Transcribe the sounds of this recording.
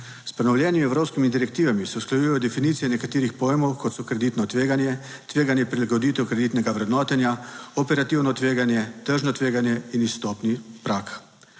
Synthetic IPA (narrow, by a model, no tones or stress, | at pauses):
spɾanɔwljɛːnimiɛwɾoːpskimid̪iɾɛk̚t̪iːʋamisɛusklajujɔd̪ɛfiniːt̪sijɛnɛkat̪iːɾixpɔːjɛmɔwkʰɔt̪sɔkɾɛd̪iːt̪nɔt̪ʋeːɡanjɛ | t̪ʋeːɡanjɛpɾilaɡɔd̪it̪ɛwkɾɛd̪it̪nɛɡaʋɾɛd̪nɔːt̪ɛnjaɔpɛɾat̪iwnɔt̪ʋeːɡanjɛt̪əɾʒnɔt̪ʋeːɡanjɛinist̪ɔːpnipɾak